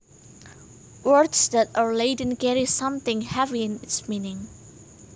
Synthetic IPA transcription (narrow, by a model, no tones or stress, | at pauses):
wɜ˞dsðɨtəleɪdⁿn̩ɡɛɾisʌ̃mθɪ̃ŋhɛviɪ̃nɪtsmĩnɪ̃ŋ